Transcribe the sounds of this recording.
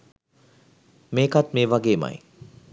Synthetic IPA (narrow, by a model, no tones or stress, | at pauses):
meːkat̪meːʋaɡeːma̰j